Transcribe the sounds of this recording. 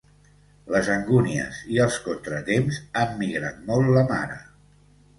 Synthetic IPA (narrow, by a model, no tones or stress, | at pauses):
ləzəŋɡuniə̰ziəlˠskont̪ɾət̪emzamːiɣɾa̰t̪̚mɔlˠtləma̰ɾə